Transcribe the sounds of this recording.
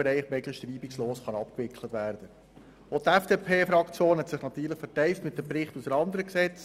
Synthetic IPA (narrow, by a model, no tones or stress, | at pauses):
ɾɛɪχmɛɡlɪʃtriːbiksloːsχɑnɑpkʋɪkʰlətʋæːɾd̥ə | ot̪æfd̥eːpʰeːfɾɑkt͡sjoːnɦɛtsɪχnɑt̪yːɾləχfɛtɛɪftmɪt̚dəpɾɪχtusənɑnd̪əɾəksɛt͡s